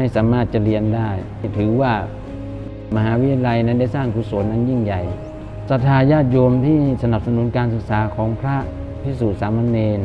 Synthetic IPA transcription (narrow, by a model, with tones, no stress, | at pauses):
a˥˩jsaː˩˦maː˥˩t̪̚t͡ɕa˨˩ɾi˧əndaː˥˩j | t̪ʰɯː˨˩˦waː˥˩ | ma˧ɦaː˩˦wi˦˥t̪ʰja˧la˧jna˦˧˥nda˥˩jsaː˥˩ŋt̪uː˨˦su˨˩˦ənːa˧˥˩nji˥˩ŋja˨˩j | sa˧˥t̪ʰːaː˧jaː˥˩t̪̚jo˧mt̪ʰiː˥˩sa˧na˨˩p̚sa˧nu˩˦˥nkaː˧nsɯ˨˩k̚saː˩˦kʰɔː˩˦ŋpʰɾa˦˥ | pʰi˦˥˩suː˨˩t̪̚saː˨˦ma˧nːeː˧